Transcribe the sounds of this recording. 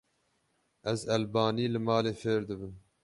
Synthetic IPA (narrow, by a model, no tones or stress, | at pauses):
ɛzɛlbɑːniːlɨmɑːleːfeːɾd̪ɨbɨn